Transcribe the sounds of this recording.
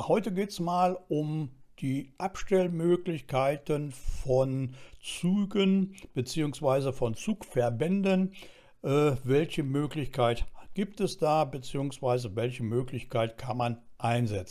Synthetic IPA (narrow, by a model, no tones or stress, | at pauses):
hɔʏtəɡeːtɛsmaːlʔʊmd̥iːʔapʃtɛlmøːklɪçkʰaɪtənfɔnt͡syːɡənb̥ət͡siːʊŋsv̥aɪzəfɔnt͡suːkfɛɐbɛndən | ʔɛːvɛlçəmøːklɪçkʰaɪtɡ̥iːptɛsd̥aːbət͡siːʊŋsv̥aɪzəvɛlçəmøːklɪçkʰaɪtkʰanmanʔaɪnzɛt͡sn̩